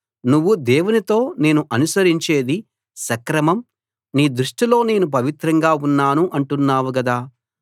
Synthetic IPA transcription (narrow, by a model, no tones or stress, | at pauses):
nuʋːud̪eːwunit̪o̞ːne̞ːnuʔɐnusɐɾiɲt͡ʃe̞ːd̪i | sɐkɾɐmɐm | niːd̪ɾuʂʈilo̞ːne̞ːnup̬ɐʋit̪ɾɐŋɡaːunːaːnuʔɐɳʈunːaːʋuɡɐd̪aː